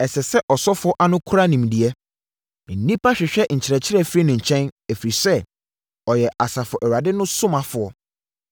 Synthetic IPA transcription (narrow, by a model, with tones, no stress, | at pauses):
ɛ˨sɛ˨sɛ˦ʔɔ˨sɔ˦fʊ˨˦ɔ˦ʔa˦nʊ̃˦kʰʊ˦ɾa˦nĩ˨m˨di˨ɛ˦ | n̩˨nĩ˦pʰa˦ɕᶣɪ˨ɕᶣɛ˦˨ɲ̩˨t͡ɕʰɪ˨ɾɛ˨t͡ɕʰɪ˦ɾɛ˦˨fɾi˦nʊ̃˨ɲ̩˨t͡ɕʰɛ̃˦næ˨fi˨ɾi˨sɛ˦ | ɔ˨jɛ˨ʔa˨sa˨fʊ˨ɔ˨ʔɛ˨wa˨dɪ˦nʊ̃˦sʊ̃˦mã˨fʊ˨ɔ˦